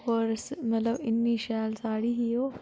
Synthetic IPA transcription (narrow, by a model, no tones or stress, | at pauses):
pəɾsmɐt̪lɐbinːiʃaːjlsaːɽiɦijo